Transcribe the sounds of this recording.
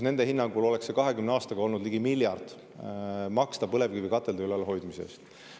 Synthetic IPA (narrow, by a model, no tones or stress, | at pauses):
ne̞nd̪e̞hinːɑŋɡulo̞le̞ksːekɑɦe̞kymneɑːst̪ɑɡɑo̞lnud̪liɡ̥imiljɑrd̪̥ | mɑkst̪ɑpɤle̞vkivikɑt̪ːˑe̞ld̪ɑylelɦo̞jd̪miseḛːst̪